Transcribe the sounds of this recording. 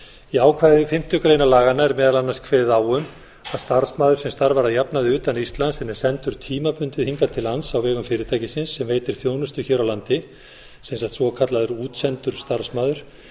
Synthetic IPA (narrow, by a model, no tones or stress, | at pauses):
iaːwkʰvaːðɪfɪm̥t̪jʏkɾeːjnalaːɣanːaɛɾmɛːðalanːaskʰvɛːðɪðaːwʏm | aðst̪aɾsmaːðʏɾsɛmst̪aɾvaɾaðjapnaðɪʏːt̪anist̪lansfɛnɛɾ̥sɛnt̪ʏɾ̥t̪ʰiːmapʏnt̪ɪðhiŋkat̪ʰɪlhansawvɛːɣʏmfɪːɾɪt̪ʰaːjcɪsɪnsːɛmveːjt̪ɪɾ̥θjownʏst̪ʏçɛːɾawlant̪ɪ | sejnsat̪svɔkʰat̪laðʏɾuːt̪sɛnt̪ʏɾ̥st̪aɾ̥smaːðʏɾ̥